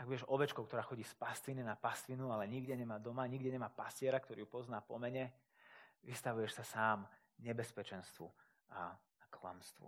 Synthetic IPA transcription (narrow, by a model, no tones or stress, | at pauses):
aɡʋɛʃɔʋɛt͡ʃkɔʊkt̪ɔɾaːxɔɟiːspast̪ʋininapast̪ʋinualɛɲiɡɟɛɲɛmaːd̪ɔmaɲiɡɟɛɲɛmaːpascɪɛɾakt̪ɔɾḭːjupɔznaːpɔ̰mɛɲɛ | ʋist̪aʋujɛʃsasaːm | ɲɛbɛspɛt͡ʃɛnst̪ʋṵ | a | akla̰mst̪ʋṵ